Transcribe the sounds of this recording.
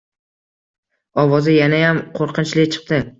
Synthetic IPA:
ɒvɒzɪjanajamqʰoɾqʰɨnt͡ʃlɪt͡ʃʰɨ̥q̚t̪ɪ

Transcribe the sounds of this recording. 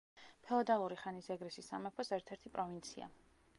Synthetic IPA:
pʰɛɔd̪alˠuɾiχanisɛɡɾɛsisamɛpʰɔsɛɾt̪ʰɛɾt̪ʰipʼɾɔvint̪sʰia̰

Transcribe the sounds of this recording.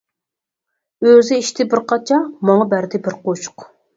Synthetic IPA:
øzɪiʃt̪ʰɪbɪɾqʰɑt͡ʃʰɑmɑŋɑbæɾd̪ɪbɪɾqot͡ʃʊ̥q

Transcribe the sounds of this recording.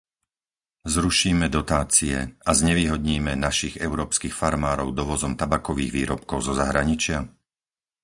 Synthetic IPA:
zɾuʃiːmɛd̪ɔt̪aːt͡siɛ̰azɲɛʋiːɦɔd̪ɲiːmɛnaʃiɣɛʊɾɔːpskixfaɾmaːɾɔʊd̪ɔʋɔzɔmt̪abakɔʋiːɣʋiːɾɔp̚kɔʊzɔzaɦɾaɲit͡ʃɪa

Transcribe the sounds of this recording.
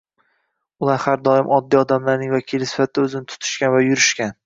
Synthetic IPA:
ʊlˠaɾhaɾd̪ɒɪmʔɒd̪ːiɒd̪amlaɾnɪŋvakʲʰilɪsɪ̥fat̪̚ʰd̪aɵzɪnɪt̪ʰʊ̥t̪ʰʊ̥ʃkʲanvajʊɾɪʃkʲan

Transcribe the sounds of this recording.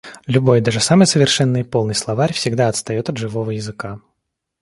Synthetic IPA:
lʲʊbo̞jd̪aʐɨsaməjsəvʲɪrʂɛnːɨjpo̞lˠnɨjslˠɐvaɾʲfsʲɪɡd̪aɐt̪st̪ɐjo̞t̪ɐd̪ʐɨvo̞vəjɪzɨka

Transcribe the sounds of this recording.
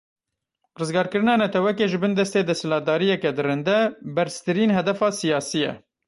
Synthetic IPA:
rɨzɡɑːɾkɨɾɨnɑːnɛt̪ʰɛwɛkeːʒɨbɨnd̪ɛst̪eːd̪ɛsɨlɑːt̪̚d̪ɑːɾijɛkɛd̪ɨrɨnd̪ɛbɛɾst̪ɨɾiːnɦɛd̪ɛfɑːsijɑːsijɛ̰

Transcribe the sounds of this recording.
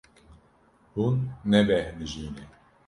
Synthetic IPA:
hunːɛvɛhnɨʒiːnɛ

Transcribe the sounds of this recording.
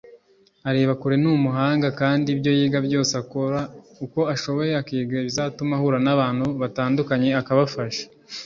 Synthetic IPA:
aɾe̞ːβakuɾe̞numuɦaːŋɡakaːndibjo̞jiːɡabjo̞ːseako̞ɾa | uko̞aʃo̞βo̞je̞akiːɡɾeβizatumahuɾanaβaːn̥huβataːndukaɲe̞akaβafaʃḁ

